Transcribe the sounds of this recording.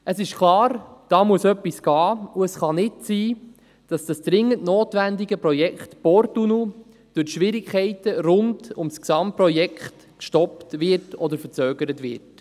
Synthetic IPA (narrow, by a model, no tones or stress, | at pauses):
əsɪʃkʰlˠɑːɾd̥ɑːmuəsœpːisɡ̥ɑːuəsχɑnɪtsiː | d̥ɑsd̥ɑsd̥ɾɪŋːəntnoːtʋændɪɡəpɾɔjɛkχtb̥ɔɾtunu | d̥ʊʃʋɪɾikχɛɪtəɾʊndʊmsksɑmt̚prɔjɛkχt | kʃtɔptʋɪɾtɔdəɾfəɾt͡søːɡəɾətʋɪ̰ɾt